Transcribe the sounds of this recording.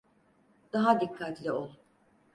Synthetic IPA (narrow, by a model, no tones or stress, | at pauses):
d̪̥aɦad̪ikʰːat̪lʲɪolˠ